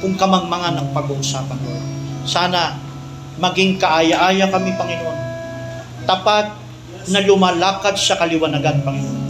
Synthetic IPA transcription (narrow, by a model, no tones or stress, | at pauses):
kʊŋkɐmaŋmɐŋanɐŋpɐɡuʔʊsaːpɐnoansaːnɐ | mɐɡiŋkɐʔajaʔajɐkɐmipɐŋɪnoʔon | t̪apat̪̚ | nɐlʊmaːlaːkad̪̚sɐkɐlɪwɐnɐɡanpɐŋɪnoʔon